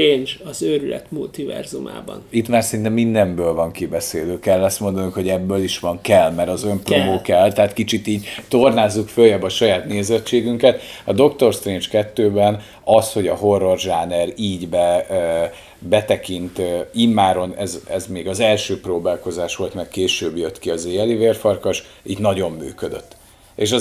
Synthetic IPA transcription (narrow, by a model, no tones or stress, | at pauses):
eːnd͡ʒɒzøɾylɛ̰t̪mult̪ivɛ̰rzuma̰ːbɒ̰nit̪maːrsɛɾint̪ɛmːind̪ɛmbøːlvɒŋkibɛseːd̪øːkɛlːɛst̪mo̞nd̪ɒnuŋkho̞ɟɛbːøːliʃʋɒŋkɛlːmɛɾɒzø̞mproːoːkɛlt̪ɛɦaːt̪kit͡ʃit̪iːɟt̪o̞rnaːzːukføljɛbɒʃɒjaːt̪neːzɛt͡ʃːeːɡyŋkɛt̪ɒd̪o̞kt̪o̞rst̪rent͡ʃkɛt̪ːøːbɛn | ɒsho̞ɟɒɦo̞rːorʒaːnɛɾiːɟbɛ | bɛt̪ɛkint̪imːaːɾo̞nɛzɛzmeːɡɒzɛlʃøːproːbaːlko̞zaːʃʋo̞lt̪mɛkkeːʃøːbjøt̪kiɒzeːɛliveːrfɒrkɒʃiːɟnɒɟo̞mːy̰ːkød̪ø̰t̪ː | eʃɒ